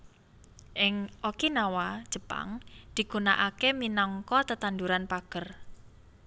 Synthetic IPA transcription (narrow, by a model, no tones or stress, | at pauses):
ʔɪŋʔokinawad̥ʒ̥ə̤pa̰ŋd̪̥i̤ɡ̥unaʔakeminɔŋkɔt̪ət̪and̪uɾanpaɡ̥ər